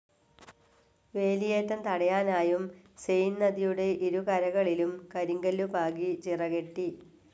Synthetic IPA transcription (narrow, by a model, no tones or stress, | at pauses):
ʋe̞ːlijeːt̪ːɐmt̪ɐɽɐjaːnaːjum | sejnːɐðijuɽe̞ʔiɾukɐɾɐɣɐɭilumkɐɾiŋɡɐlːupaːɣit͡ɕirɐɣe̞ʈːi